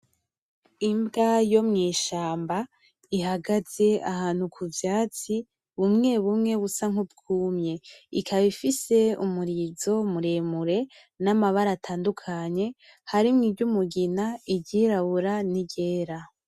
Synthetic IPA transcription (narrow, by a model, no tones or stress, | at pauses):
imbɡajo̞mŋiːʃaːmba | iɦaɡaz̥e̞a̰haːn̥hukʰuvjaːt͡si | βumŋe̞βumŋe̞βusaŋubɡuːmɲe̞ikʰaβifise̞umuɾizo̞muɾe̞ːmuɾe̞ | namaβaɾatʰaːndukʰaɲe̞ | haɾimŋibɟumuɡinaiɟiɾaβuɾaniɟe̞ːɾa